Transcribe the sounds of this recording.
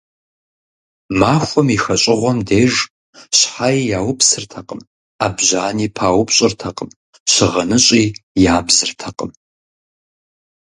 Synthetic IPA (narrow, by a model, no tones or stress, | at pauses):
maːxʷɔmixɐɕʼɪʁʷɔmdeːʒ | ɕħajijaːwʊpsɨrtʰɐqʼəm | aːbʑaːniːpʰaːwʊpɕʼɪrtʰɐqəm | ɕɪʁɐnɨɕʼiːjaːbzɨrtʰɐqʼəm